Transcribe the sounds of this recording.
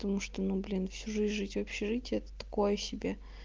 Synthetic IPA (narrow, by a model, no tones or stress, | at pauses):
t̪ɐmuʂt̪onublʲinfsʲuʐɨzʲʐɨzʲtʲvɐpɕɪʐɨtʲɛt̪ə̥t̪ɐ̥ko̞jəsʲɪbʲe